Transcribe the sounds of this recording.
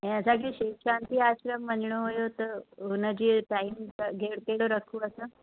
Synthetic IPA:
ɦjãd͡zakiːɕetɕant̪iːaɕɾəmːənɳoojot̪əunəd͡ʑiːʈaimkɡʱeɽkeɽoɾəkʰuːəsəː

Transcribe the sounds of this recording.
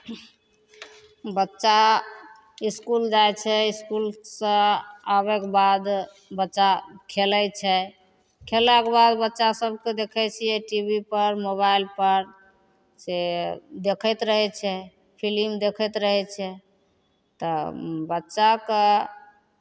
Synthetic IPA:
bətːʃa | iskuld͡ʒajt͡ʃʰɛiskulsə̃aβɛkbad̪ | bətːʃakʰelət͡ʃʰɛ | kʰelakebad̪bətːʃasəbʱked̪ekʰɛt͡ʃʰijɛʈibipəɾmoβailpəɾ | sed̪ekʰət̪ɾəɦɛt͡ʃʰɛ | pʰilimd̪ekʰɛt̪ɾəɦɛt͡ʃʰɛ | t̪ɔbətːt͡ʃake

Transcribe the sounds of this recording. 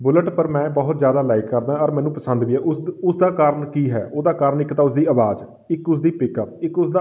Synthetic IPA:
bʊləʈpəɾmɛ̃ːbəɦʊt̪zjaːd̪aːlaːɪkːəɾd̪ãːɔɾmɛ̃ːnũːpəsə̃nd̪ʋiːɛːʔʊʊsd̪aːkaːɾəɳkiːɦɛ̰ːʔoːd̪aːkaːɾənɪkt̪aːʊsd̪iːəʋaːd͡ʒ | ɪkːʊsd̪iːpɪkəp̚ɪkːʊsd̪aː

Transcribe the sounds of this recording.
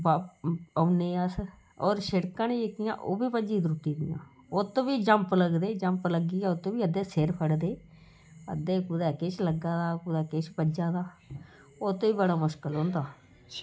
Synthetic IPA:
baːəuneːəs | ɔːɾʃɪɽkãːneːɪkːijã̰ːʔo̰ːbiːpəd͡ʒiːd̪ɾʊʈːiːd̪ɪjã̰ː | oːt̪õːʋiːd͡ʒəmpləɡd̪eːd͡ʒəmpləɡiːɛːʊt̪õːʋiːəd̪eːseɾpʰəɽd̪eː | ə̰d̪eːpud̪ɛːkɪʃləɡːaːd̪aːpud̪ɛːkɪʃʰpəd͡ʒaːd̪aː | oːt̪õːiːbəɽaːmʊʃkəlɦõːnd̪aː

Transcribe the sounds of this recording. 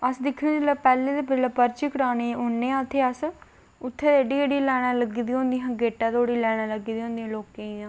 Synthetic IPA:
əsd̪ɪkʰnẽːd͡ʒlapɛːleːt̪eːpɪlapəɾt͡ʃiːkəɾaːneːʊnːẽːãːt̪ʰːeːəs | ʊt̪ʰːeːeːɽiːeːɽiːlɛːɽ̃aːləɡiːd̪iːɦõnd̪iːɦãːɡeːʈaːt̪oːɽiːlɛːɽ̃ãːləɡiːd̪iːɦõːnd̪iːãːloːkẽiãː

